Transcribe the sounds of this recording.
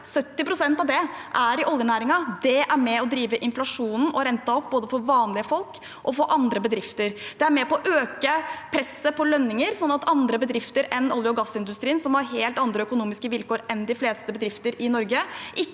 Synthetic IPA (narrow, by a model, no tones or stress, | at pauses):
sœt̪ːɪpɾʊsɛnt̪ɑʋd̪ɛʔæɾɪʔɔljənæːɾɪŋɑd̪ɛʔæɾmɛɔd̪ɾiːʋəʔɪnflɑʂuːnn̩ʔɔɾɛnt̪ɑɔp̚ːboːd̪əfɔɾʋɑːnlɪəfɔlk | ʔɔfoːʔɑnd̪ɾəbəd̪ɾɪft̪əɾd̪̥ɛæɾmɛpɔɔʔøːkəpʰɾɛsːəpʰɔlœnːɪŋəɾsɔnːɑt̪ɑnd̪ɾəbəd̪ɾɪft̪əɾɛnɔljəɔɡɑsːɪnd̪ʉst̪ɾiːnsɔmhɑɾɦeːlt̪ɑnd̪ɾəœkʊnuːmɪskəʋɪlkoːɾɛnd̪ɪfleːst̪əbəd̪ɾɪft̪əɾɪnɔɾɡəʔɪ